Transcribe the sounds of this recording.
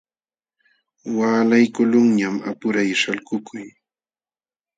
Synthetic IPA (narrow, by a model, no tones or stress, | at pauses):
waːlajkʊlʊŋɲama̰pʊɾajʃalkʊkʰʊj